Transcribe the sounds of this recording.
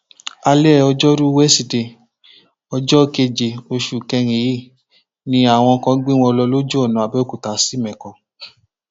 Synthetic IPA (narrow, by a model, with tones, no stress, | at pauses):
a˧lɛ˦˨ɔ˧d͡ʒɔ˦ɾu˦wɛ˦si˧˨de˧˨ | ɔ˧d͡ʒɔ˦˧ke˧d͡ʒe˨o˧ʃu˨kɛ˧ŋ̃ĩ˨˦i˦˨ | nĩ˧˦a˦˨w̃ɔ̃˧kɔ̃˧˦ɡ͡bĩ˦w̃ɔ̃˧lɔ˧lo˦d͡ʒu˦ɔ˦˨nũ˨a˨bɛ˦ku˨ta˨˦si˦mɛ̃˨kɔ̃˨